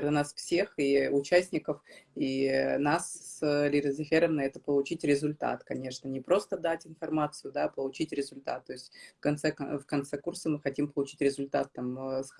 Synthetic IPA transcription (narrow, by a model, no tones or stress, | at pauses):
rənasfsʲe̞xiʊt͡ɕæsʲnʲɪkəfinasslʲɪɾəzʲɪxʲeɾəmnɐɛt̪əpəlˠʊt͡ɕitʲɾʲɪzʊlʲt̪a̰t̪kɐnʲe̞ʂnənʲɪpɾo̞st̪əd̪atʲɪnfɐrmat̪sɨjʊd̪apəlˠʊt͡ɕitʲɾʲɪzʊlʲt̪a̰t̪ːo̞ɪsʲtʲfkɐnt̪sɛfkɐnt̪sɛkursəmɨxɐtʲimpəlˠʊt͡ɕi̥tʲɾʲɪzʊlʲt̪at̪ːams